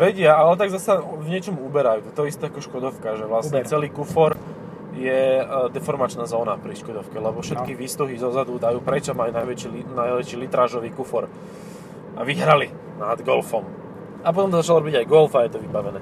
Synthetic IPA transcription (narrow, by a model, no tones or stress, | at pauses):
ʋɛɟɪaalɛt̪aɡzasavɲɪɛt͡ʃɔmubɛɾajuːt̪ɔt̪ɔɛist̪ɛːakɔʃkɔd̪ɔʊkaʒɛʋlasɲɛt͡sɛliːkufɔɾ | jɛd̪ɛfɔɾmat͡ʃnaːzɔːnapɾiʃkɔd̪ɔʊkɛlɛbɔfʃɛt̪kiʋiːst̪uɦizɔzad̪ud̪ajuːpɾɛt͡ʃamalinajʋɛt͡ʃilinajʋɛt͡ʃilit̪ɾaːʒɔʋiːkufɔɾ | aʋiɦɾali | nad̪ɡɔlfɔm | apɔt̪ɔmt̪ɔzat͡ʃalɔɾɔbiɟajɡɔlfajɛt̪ɔʋibaʋɛnɛː